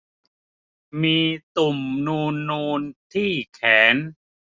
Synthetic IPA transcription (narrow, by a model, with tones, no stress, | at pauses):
miː˧t̪u˨˩mnuː˧nːuː˧nt̪ʰiː˥˩kʰɛː˩˦n